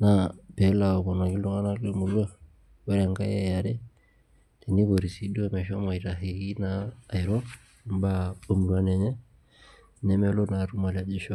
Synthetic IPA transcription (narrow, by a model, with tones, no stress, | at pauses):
na˨pɛ˨la˨ɔ˨βɔ˨na˨ɡi˦lɔ˦ŋa˦na˦lo˦mu˨ɾu˦a˦ | wɛ˦ɾa˨ŋɡa˦jɛ˦ja˨ɾɛ˦ | tɛ˨ni˦βo˨ɾi˨si˨˦ɗu˦a˦mɛ˨ʃa˦mwa˨i˨ɾa˨ɦe˨ɣi˦naː˨i˨ɾɔ˦ | m̩˦ba˦o˦mu˨ɾu˦a˦nɛ˨ɲɛ˦ | nɛ˦mɛ˦lɔ˦na˨ɾu˦ma˨la˨d͡ʒe˦ʃa˦